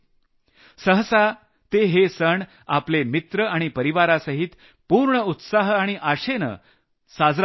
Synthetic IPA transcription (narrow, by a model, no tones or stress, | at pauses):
səɦəsa | t̪eɦesəɳ | aplemit̪ɾəaɽ̃ipəɾiʋaɾasəɦit̪ | puɾɳəut̪saɦaɽ̃iʔaɕenə̰ | sad͡zɾ